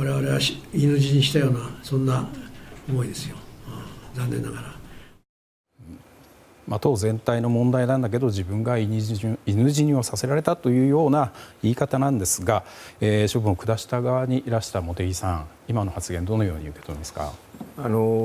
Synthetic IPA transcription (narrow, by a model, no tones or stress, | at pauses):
aɾe̞βaɾe̞βaɕinɨʑiɲiɕi̥t̪ajo̞ːnasõ̞nːaomo̞id̪e̞sɨjo | zãnːẽ̞nːa̰ɡaɾa | mat̪o̞ːzẽ̞nt̪aino̞mõ̞nd̪ainãnd̪ak̬e̞d̪o̞ʑibɯ̟̃ŋɡaiinɯ̟ʑiɲ̟io̞sase̞ɾaɾe̞t̪at̪o̞jɯ̟ːjo̞ːnaiːkat̪anãnd̪e̞sɨɡaeːɕobɯ̟ɰokɯ̟d̪aɕi̥t̪aɡaβaɲ̟iʔiɾaɕi̥t̪amo̞t̪e̞ɡʲisãŋ | imano̞hat͡sɨɡẽ̞nd̪o̞no̞jo̞̰ːɲ̟iɯ̟ke̞t̪o̞imasɨ̥ka̰ano